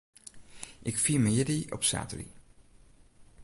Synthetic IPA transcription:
ʔɪkfiːməjɪdiɔ̰psa̰ːtəɾḭ

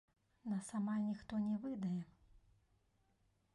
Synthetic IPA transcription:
nɐsamanʲixt̪ɔnʲɛvɨd̪ɐjɛ

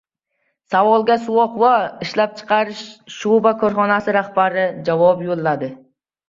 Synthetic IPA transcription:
savɒlˠɡʲasuwɒqvaɪʃlap̚t͡ʃʰɨ̥qʰɑɾɪʃʃubakʰɵɾχɒnasɪɾaχbaɾɪd͡ʒavɒpjolˠːad̪ɪ

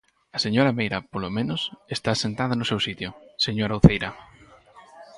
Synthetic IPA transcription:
ɐseɲoɾɐmejɾɐpolomẽnʊsest̪asent̪aðɐnʊsewsit̪jʊseɲoɾauθejɾɐ

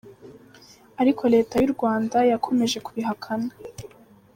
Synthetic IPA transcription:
aɾikʰo̞ɾe̞ːtajuɾɡwaːndajakʰo̞me̞ʒe̞kuβiɦakʰana

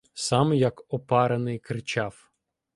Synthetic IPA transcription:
sɑmjɐkɔpɑɾenɪjkɾɪt͡ʃɑw

